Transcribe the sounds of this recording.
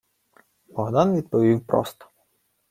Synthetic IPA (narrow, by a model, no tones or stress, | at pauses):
bɔɦd̪ɑnʋʲid̪̚pɔʋʲiwpɾɔ̰st̪ɔ̥